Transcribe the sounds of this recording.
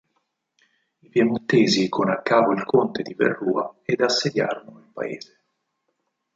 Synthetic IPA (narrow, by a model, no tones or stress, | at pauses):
ipjemut̪ːeːzikʰonakːaːpoilkʰont̪ed̪ivḛrːuːa̰ed̪asːed̪ja̰ːɾonoimpa̰ḛːz̥e